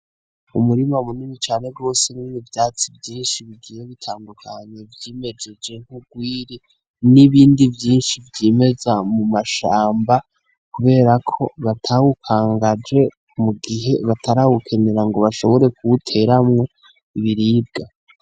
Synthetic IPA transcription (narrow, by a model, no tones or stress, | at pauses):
umuɾimamunimit͡ʃaːne̞ɾɡo̞ːse̞ninivjaːt͡sivjiːnʃiβiɡijeβitʰaːndukʰaɲe̞vjime̞d͡ʒe̞d͡ʒe̞ŋ̥huɡwiːɾi | niβiːndivjiːnʃivjiːme̞zamumaʃaːmba | kuβe̞ːɾakʰo̞βatʰawukʰaːŋɡad͡ʒe̞ | muɡiɦe̞βatʰaɾawukʰe̞ne̞ɾaŋɡo̞βaʃo̞βo̞ɾe̞kuβutʰe̞ɾamŋe̞ | iβiɾiːb̚ɡa